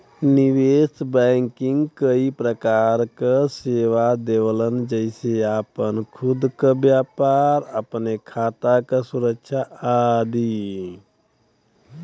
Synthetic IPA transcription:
nɪweːsbɛ̃ːŋkɪ̃ŋɡkəipɾəkaːɾkaseːʋad̪ewlənd͡ʒəɪseaːpənkʰʊd̪kabjaːpaːɾəpnekʰaːt̪akasʊɾəkʃʰaaːd̪iː

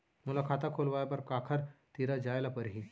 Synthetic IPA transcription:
m̤ulakʰat̪akʰolʋajapəɾkakʰəɾt̪iɾad͡ʑajlapəɾɦi

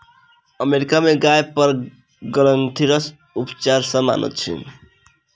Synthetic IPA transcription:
əmeɾikameɡajpəɾ | ɡələnt̪ʰiɾəs | upt͡ʃaɾsə̃ma̰nə̰t̪t͡ʃʰḭ

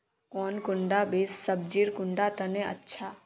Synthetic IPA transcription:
kɔːnkʊɳɖabeːsːəb̚d͡ʒiːɾkʊɳɖat̪ɐnẽɐ̰tːʃʰaː

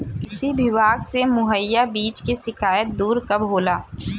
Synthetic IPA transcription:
kɪsibɪʋaːɡsemʊɦəjːabiːt͡ʃkeʃɪkaːjət̪̚d̪uːɾkɐbɦoːlaː

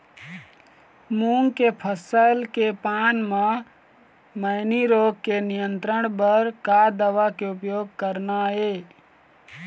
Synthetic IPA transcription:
muŋɡkepʰəsəɪlkepaːnmã | məɪniɾoːɡ̚kenijənt̪ɾəɽ̃bəɾkad̪əʋakeʊpjoːɡ̚kəɾnae

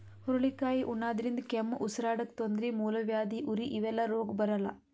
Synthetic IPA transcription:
hɔɾɐɭikaːjiʔunːaːd̪ɐɾind̪ɐkemːʔusɐɾaːɽɐk̚t̪ond̪ɾimuːlɐʋjaːd̪iʔuɾiʔiʋɛlːɐɾoːɡbɐɾɐlːɐ̰

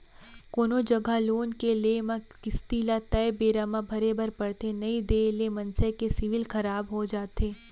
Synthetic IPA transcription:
koːnod͡ʒɐɡʱaloːnkeleːmã | kɪst̪iːlat̪ɐjbeːɾaːmãbʱɐɾebɐɾpɐɽt̪enɐid̪eːlemɐ̃nsɛkesɪʋɪlkɐɾaːbɦod͡ʒaːt̪eː

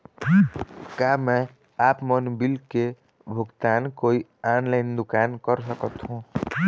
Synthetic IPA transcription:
kame | apmənbilke | bʱuɡt̪ankoianlaɪnd̪ukankəɾsəkət̪ɦũ

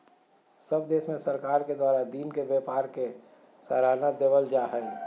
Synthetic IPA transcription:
səbd̪eːʃmẽsəɾkaːɾked̪waːɾad̪iːnkebepaːɾke | səɾaːnad̪eːʋəld͡ʒaːɦɛː

